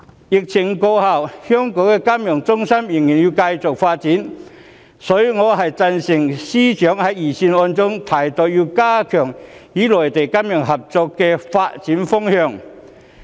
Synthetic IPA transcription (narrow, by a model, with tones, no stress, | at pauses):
jɪ˨k̚t͡sʰɪ˨˩ŋko˧wha˨˩whœː˥ŋkɔː˨˥wkɛ˧kaː˥mjɔ˨˩ŋt͡sʊ˥ŋsɐ˥mjɪ˨˩ŋjiː˨˩njiː˧wkɐ˧jt͡sʊ˨k̚faː˧t̚t͡siː˨˥n | sɔː˨˥jŋɔː˨˧ɦɐ˨jt͡sɐ˧nsɪ˨˩ŋsiː˥t͡ʃœː˨˥ŋhɐ˨˥jjiː˨˩siː˧nɔː˧nt͡sʊ˥ŋt̪ʰaː˨˩jt̪ɔː˨˧kjiː˧wkaː˥kʰœː˨˩ŋjiː˨˥lɔː˨jt̪e˨jkɐ˥mjœː˨˩ŋɦɐ˨p̚t͡sɔː˧kːɛː˧faː˧t̚t͡siː˨˥nfʊ˥ŋhœː˧ŋ